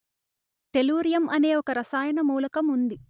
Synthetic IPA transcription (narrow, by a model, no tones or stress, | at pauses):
t̪e̞luːɾjɐmʔɐne̞ːɔkɐɾɐsaːjɐnɐmuːlɐkɐmund̪i